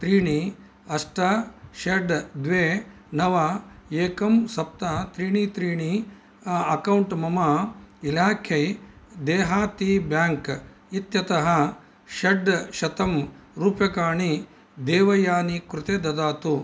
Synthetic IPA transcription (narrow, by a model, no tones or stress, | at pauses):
t̪ɾiːɳi | ɐʂʈɐʃeɖd̪ʋeː | nɐʋɐeːkɐmsɐp̚t̪ɐt̪ɾiːɳit̪ɾiːɳi | ɐkɐwɳʈmɐmɐilaːkʰjɐjd̪eːɦaːt̪ibjaːŋk | it̪jɐt̪ɐɦɐ | ʃɐɖʃɐt̪ɐm | ɾuːpjɐkaːɳi | d̪eːʋɐjaːnikɾut̪eːd̪ɐd̪aːt̪u